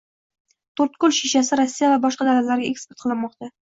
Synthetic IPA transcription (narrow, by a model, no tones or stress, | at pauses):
t̪ʰoɾt̪̚kʊlʃiʃasɪɾɒsːijavabɒʃqɑd̪alat̪laɾɡʲae̞kspe̞ɾt̪qʰɨlˠɪnmɒqt̪a